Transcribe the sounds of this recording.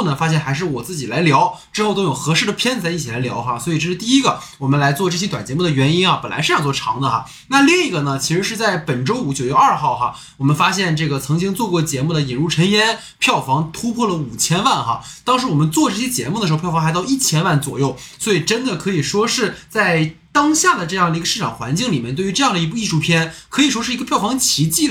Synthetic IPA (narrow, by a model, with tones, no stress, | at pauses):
nə˧˥ŋfa˥ɕ̬jɛ˥˩nxa˧˥ɪʂɻ̩˥˩wɔ˨˩t͡sɹ̩˥˩t͡ɕi˨˩la˧˥ɪljɑ˧˥ʊʈ͡ʂɻ̩˥xo˥˩˧t̪o˥ʊjo˨˩ʊxɤ˧˥ʂɻ̩˥˩d̪ə˩pʰjɛ˥nt͡sa˧˥i˥˩t͡ɕʰi˨˩la˧˥ɪljɑ̰˧˥ʊxa˧swɔ˧˥i˨˩ʈ͡ʂɤ˥˧ʂɻ̩˥˧t̪i˥˩i˥ɡə˨wɔ˨˩mə˦nla˧˥ɪt͡swɔ˥˧ʈ͡ʂɤ˥˩ɕɛ˥t̪wa˨˩nt͡ɕjɛ˧˥mu˥˩d̪ə˩ɥɛ˧˥ni˥nxɐ˧pə˨˩nla˧˥ɪʂ̩˥˧jɑ˥ŋt͡swɔ˥˩ʈ͡ʂʰɑ˧˥ŋd̪ə˧xɐ̰˧ | na˥˧li˥˩ŋi˧˥ɡə˧nə˩t͡ɕʰi˧˥ʂɻ̩˧˥ʂɻ̩˥˧t͡sa˥˩ɪpə˨˩nʈ͡ʂo˥ʊu˧˥t͡ɕjo˨˩ʊɥɛ˥˧ɐ˞˥˧xɑ˥˩ʊxɐ̰˩ | wɔ˨˩mə˦nfa˥ɕjɛ˥˧nʈ͡ʂɤ˥˩ɡə˩t͡sʰɤ˧˥ŋt͡ɕi˥ŋt͡swɔ˥˧kwɔ˥˩t͡ɕjɛ˧˥mu˥˩d̪ə˩i˨˩nɻu˥˩ʈ͡ʂʰə˧˥njɛ˥n | pʰjɑ˥˩ʊfɑ˧˥ŋt̪ʰu˥pʰwɔ˥˩lə˩u˨˩t͡ɕʰjɛ˥nwa˥˩nxɐ̰˩ | t̪ɑ˥ŋʂɻ̩˧˥wɔ˨˩mə˦nt͡swɔ˥˧ʈ͡ʂɤ˥˩ɕjɛ˥t͡ɕjɛ̰˧˥mu˥˩ə˩ʂ̩ʰ˧˥˧jɑ˧˥xɑ˥˧ʊi˥˩t͡ɕʰjɛ˥nwa˥˩nt͡swɔ̰˨˩jo˥˩ʊswɔ˧˥i˨˩ʈ͡ʂə˥nd̪ə˨˩kʰɤ˧˥i˨˩ʂwɔ˥ʂɻ̩˥˩t͡sa˥˩ɪt̪ɑ˥ŋɕja˥˩d̪ə˩ʈ͡ʂɤ˥˧jɑ˥˩ŋd̪ə˩i˧˥ɡə˧ʂɻ̩˥˩ʈ͡ʂʰɑ˨˩ŋxwa˧˥nt͡ɕi˥˩ŋli˨˩mjnt̪wy˧˥ʈ͡ʂɤ˥˧jɑ˥˩ŋd̪ə˩i˧˥pu˥˧i˥˧ʂu˥˩pʰjɛ˥nkʰɤ˧˥i˨˩ʂwɔ˥ʂɻ̩˥˩i˧˥ɡə˧pʰjɑ˥˩ʊfɑ˧˥ŋt͡ɕʰi˧˥t͡ɕi˥˩